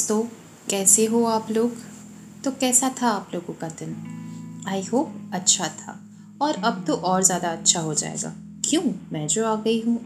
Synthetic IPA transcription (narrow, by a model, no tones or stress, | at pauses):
t̪o | kɛːseɦoaːploːɡ | t̪okɛːsat̪ʰaaːploːɡõkad̪ɪn | aːiɦoːp̚ɐtːʃʰat̪ʰa̰ː | ɔːɾɐb̚t̪oʔɔːɾzjaːd̪aɐtːʃʰaɦod͡ʒa̰ːḛːɡa̰ː | kjũːmɛ̃ːd͡ʒoːaːɡɐiɦũː